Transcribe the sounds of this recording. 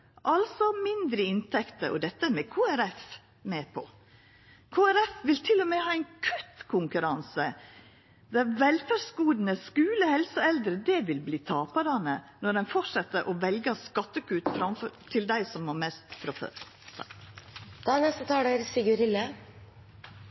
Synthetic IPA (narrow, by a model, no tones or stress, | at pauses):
ʔɑlsɔmɪnd̪ɾəɪnt̪ʰɛkt̪əɾʔɔ̰d̪ɛt̪ːəmɛkʰuːæɾɛf | mɛːpʰɔ | kʰoːæɾɛfʋɪlt̪ʰɪlːɔmɛhɑːɛɪnkʰʉt̪kʰʊŋkʉɾɑnsə | d̪ɛʋɛlfæɖsɡuːd̪nəskʉːləhɛlsəɛld̪ɾəd̪ɛʋɪlbliːt̪ʰɑːpɑd̪ɑnənɔɖɛnfɔʂɑt̪ːəɾʔɔʋɛlɡəskɑt̪ːəkʰʉːt̪fɾɑmfɔɾt̪ʰɪld̪æɪsɔmmɔmɛst̪fɾɔfø̰ɾ | d̪̥ɑnɛst̪ət̪ʰɑːɖeɾsɪɡʉɾɪlːə